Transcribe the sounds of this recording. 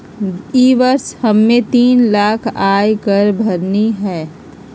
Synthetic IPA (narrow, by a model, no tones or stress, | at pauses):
iːʋəɾshɐmːẽt̪iːnlaːkʰaːjkɐɾbʱɐɾniɦɛː